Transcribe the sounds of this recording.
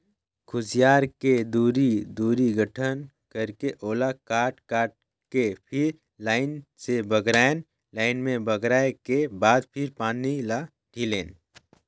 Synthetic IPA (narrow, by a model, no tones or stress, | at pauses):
kʰʊd͡ʒijaːɾked̪uːɾid̪uːɾiɡəʈʰən | kəɾkeʔoːlakaːʈkaːʈ̚ | kepʰɪɾ | laːɪnsebəɡɾaːen | laːɪnmẽbəɡɾaːekebaːd̪pʰɪɾpaːnila | ɖʰʱileːn